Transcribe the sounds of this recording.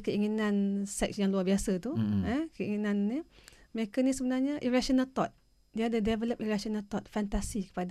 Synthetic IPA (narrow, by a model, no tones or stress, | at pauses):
kəiŋinãnsɛk̚sjaŋluarbiasat̪uəkəiŋinãnːimekənisəbənarɲaʔiɾasɔnalt̪ɔt̪̚ | diadədɛvələp̚iɾasɔnalt̪ɔt̪̚fant̪asikə̥pad